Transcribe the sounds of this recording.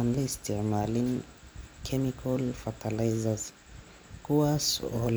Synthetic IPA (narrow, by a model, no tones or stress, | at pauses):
anlistɛmalin | kʰɛmikʰalfatʰalajzaz | kuasɔ̰l